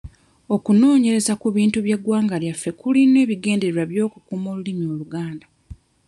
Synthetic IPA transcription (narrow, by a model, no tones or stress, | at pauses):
o̞kuno̞ːɲe̞ɾe̞zakuβiːntuβjeɡwaːŋɡaljafːe̞kulinwe̞ːβiɡe̞ːnde̞ɾeɾaβjo̞ːkukuːmolulimio̞ːluɡaːnda